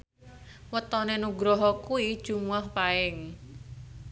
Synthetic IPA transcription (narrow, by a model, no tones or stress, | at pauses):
wət̪ɔnenuɡɾɔɦɔkuid̥ʒ̥ṳmuahpaɪŋ